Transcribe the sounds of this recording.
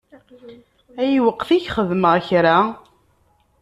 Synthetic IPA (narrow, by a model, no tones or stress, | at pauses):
æjiwəqːθiçχəðməʁçɾa